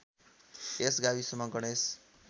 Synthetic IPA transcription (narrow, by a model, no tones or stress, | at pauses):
esɡawisʌmʌɡʌɽ̃es